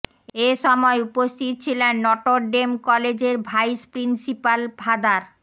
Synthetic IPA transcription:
eʃɔmɔeupost̪ʰit̪̚t͡ɕʰilenːɔʈoɾɖemkɔled͡ʑeɾbʱajspɾinsipalbʱad̪aɾ

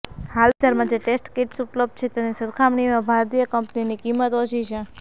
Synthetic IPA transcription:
hald̪əɾmãd͡ʒeʈesʈkeʈsupləb̚d̪̚t͡ʃʰet̪jenisəɾkʰamɳimãbʱaɾt̪ijəkəmpninikimːət̪əʃit͡ʃʰe

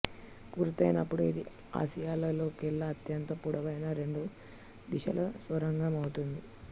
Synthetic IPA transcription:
kuɾut̪ɐjnɐpːuɽuid̪i | a̰ːsijaːlɐlo̞ːkilːɐːt̪jɐnt̪ɐpuɽɐʋɐjnɐɾe̞ɳɖu | d̪iʃɐ̰lɐsʋɐɾɐŋɡɐmɐwut̪und̪i

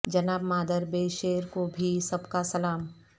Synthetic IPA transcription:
d͡ʒɐnaːbmaːd̪əɾbeːʃeːɾkobʱisɐbkasɐlaːm

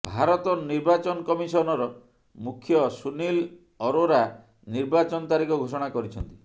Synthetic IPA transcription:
bʱaɾɔt̪ɔniɾbat͡ʃɔnɔkɔmisɔnɔɾɔ | mukʰjɔsunil | ɔɾoɾa | niɾbat͡ʃɔnɔt̪aɾikɔɡʱosɔɽ̃akɔɾit͡ʃʰɔnt̪i̥

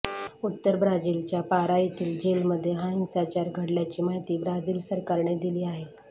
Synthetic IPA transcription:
ut̪ːəɾbɾad͡ʑiːlt͡ɕjapaɾait̪iːld͡ʑelməd̪ʱːjeɦãt͡sat͡ɕaɾɡʱəɽljat͡ɕiːmaɦit̪iːbɾad͡ziːlsəɾkaɾɳed̪iliːaɦe

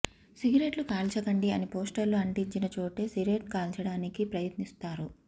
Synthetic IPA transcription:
siɡɾeʈlukaːlt͡ʃɐkɐɳɖiɐ̰nipoːsʈɐlːuɐɳʈiɲt͡ʃinɐt͡ʃo̞ːʈe̞ːsiɡɾeʈkaːlt͡ʃɐɽaːnikipɾɐjɐt̪nist̪aːɾu

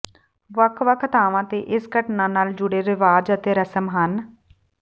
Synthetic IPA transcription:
ʋəkʰʋəkʰət̪aːʋãːt̪eːʔɪskəʈnãːnaːld͡ʒʊɽeːɾɪʋaːd͡ʒət̪eːɾəsəmɦən

